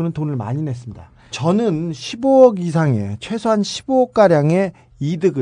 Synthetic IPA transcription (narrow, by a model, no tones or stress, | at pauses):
ɯnɯntonɯɭma̰ɲine̞s͈ɯmɲida̰ | t͡ɕʌnɯnɕʰiboʌɡis̬ʰaŋe̞̰t͡ɕʰwe̞sʰoɦanɕʰi̥boʌk̚k͈aɾjaŋe̞ | idɯɡɯ